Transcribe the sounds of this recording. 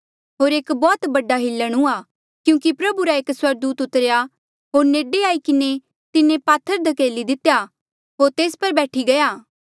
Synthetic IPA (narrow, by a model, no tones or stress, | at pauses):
ɦoːɾeːkbɔːt̪bɐɖaɦɪlːəɽ̃ũa | kjũːkipɾɐbuɾaeːkswɐɾd̪uːt̪ʊt̪əɾja | ɦoːɾneːɖeaːikɪne | t̪ɪnẽpaːt̪ʰːəɾd̪ɐkeːlid̪ɪt̪ja | ɦoːɾt̪eːspɐɾbɛːʈʰiɡɐjaː